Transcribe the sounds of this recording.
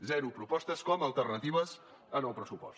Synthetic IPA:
zɛɾupɾupɔst̪əskɔməlˠt̪ərnət̪iβəz | ənəlˠpɾəsupɔ̰s

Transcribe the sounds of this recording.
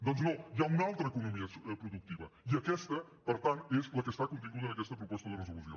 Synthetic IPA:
d̪ɔnznojaunalˠt̪ɾəːkunumiəspɾuðuk̚t̪iβə̰iəkɛst̪ə | pəɾt̪ant̪ezləkəst̪akunt̪̬iŋɡuðənəkɛst̪əpɾupɔst̪əðərəzuluzio̰

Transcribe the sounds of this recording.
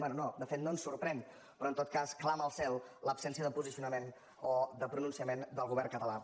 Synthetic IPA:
bɛnunod̪əfet̪noənsuɾpɾɛn | pɾɔənt̪ot̪̚kasklaməlˠsɛlˠləpsɛnsiəðəpuzisiunəmen | od̪əpɾununsiəmend̪əlˠɣuβ̞ɛɾrŋkət̪əla

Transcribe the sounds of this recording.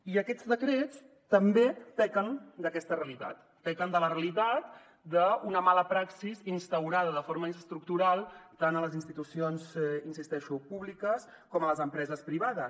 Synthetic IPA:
iəkɛd͡zðəkɾet͡s | t̪əmbet̪ɛkənd̪əkɛst̪əreəlit̪a̰t̪ːɛkənd̪ələreəlit̪at̪̚ | d̪əunəmaləpɾaksizinst̪əwɾað̞əðəfoɾməst̪ɾuk̚t̪uɾalˠt̪anələzinst̪it̪usionzinsist̪ɛʃupuβlikəs | kɔmələzəmpɾɛzəspɾiβ̞aðəs

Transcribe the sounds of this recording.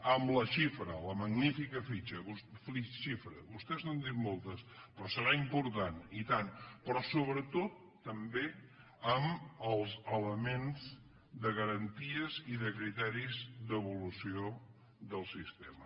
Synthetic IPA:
əmləʃifɾələməɡnifikəfit͡ʃəβusfiʃifɾə̰βust̪ɛznənd̪it̪molˠt̪əspɾɔsəɾaimpuɾt̪anit̪anpɾɔsoβɾət̪ot̪ːəmbe | əməlˠzələmenz | d̪əɣəɾənt̪iəziðəkɾit̪ɛɾizðəβulusio | ðəlˠsist̪emə

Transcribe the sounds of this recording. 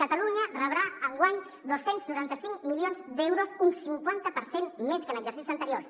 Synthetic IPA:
kət̪əluɲərəβɾaəŋɡwaɲ | d̪osenznuɾant̪əsiŋkmiljonzd̪ɛwɾozunsiŋkwant̪əpəɾsenmeskənəɡzəɾrsisizənt̪əɾiors

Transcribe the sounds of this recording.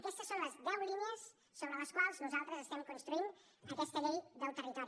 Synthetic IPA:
əkɛst̪əsːonləzðɛwliniəs | soβɾələskwalˠznuzalˠt̪ɾəzəst̪ɛmkunst̪ɾuin | əkɛst̪əʎejd̪əlˠt̪ərit̪ɔɾi

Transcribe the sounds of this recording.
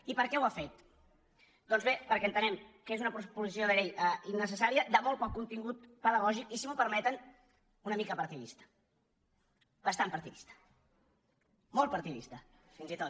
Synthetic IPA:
ipəɾkɛwafet̪ | d̪̥ɔnzβepəɾkɛənt̪ənɛmkəezunəpupuzisioð̞əɣejɛinːəs̬əsaɾiəd̪əmolˠt̪pɔkːunt̪iŋɡut̪pəðəɣɔʒikisimupəɾmɛt̪ən | unəmikəpəɾt̪iðist̪ə̥ | bəst̪ampəɾt̪iðist̪ə̥ | molˠt̪pəɾt̪iðḭst̪əfinzit̪ot̪

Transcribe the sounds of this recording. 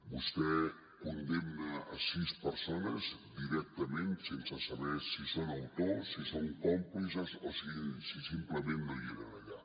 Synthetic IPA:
bust̪ɛ | kund̪emna̰ːsispəɾsonəzd̪iɾɛk̚t̪əmẽnsensasaβɛɾsisonawt̪osisoŋkɔmplisasosisisimpləmẽnnojeɣaaʎa

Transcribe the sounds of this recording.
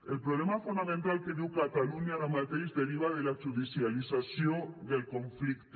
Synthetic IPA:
elpɾoβlemafund̪amẽnt̪alkeðiwkat̪aluɲaðamat̪ɾizde̞ɾiβaðelaʝuðisjalisasjond̪elkõ̞ɱflikt̪

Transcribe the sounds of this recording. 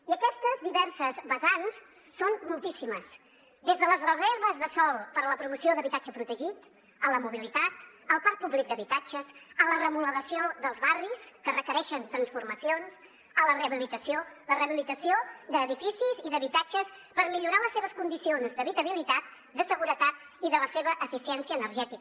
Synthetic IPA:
iəkɛst̪əzðiβɛɾsəzβəzans | sonmulˠt̪isiməs | d̪ezðələzrəzeɾβəzðəsɔlˠpəɾləpɾumusioðəβit̪ad͡ʒəpɾut̪əʒit̪ | ələmuβilit̪at̪əlˠpaɾk̚puβlik̚d̪əβit̪ad͡ʒəsələrəmuləɣəsioðəlˠzβariskərəkəɾɛʃənt̪ɾənsfuɾməsionz | ələreəβilit̪əsioləreəβilit̪əsiod̪əːðifisiziðəβit̪ad͡ʒəspəɾmiʎuɾaləsːeβəskund̪isionzd̪əβit̪əβilit̪at̪̚ | d̪əsəɣuɾət̪at̪ | iðələseβəʔəfisiɛnsiəːnərʒɛt̪ik

